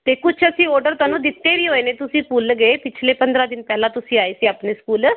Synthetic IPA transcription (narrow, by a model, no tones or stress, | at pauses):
t̪ekʊt͡ʃəsĩɔːɾɖəɾt̪anũd̪ɪt̪ːeʋiːɦoenet̪ʊsĩpuːlɡeepɪt͡ʃʰlepə̃nd̪ɾad̪ɪnpɛɦlat̪ʊsĩaːeseapneskuːl